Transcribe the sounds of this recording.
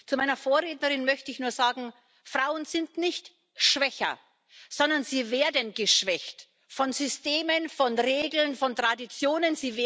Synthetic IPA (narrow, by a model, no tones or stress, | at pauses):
t͡sumaɪnɐfoːɐʁeːtnəʁɪnmœçtəɪçnuːɐzaːɡŋ̩ | fʁ̥aʊənzɪntnɪçt | ʃv̥ɛçɐ̰ | z̥ɔndɐnziːveːɐdənɡəʃv̥ɛçt | fɔnzʏsteːmənfɔnʁeːɡl̩nfɔntʁ̥adit͡sjoːnənziːve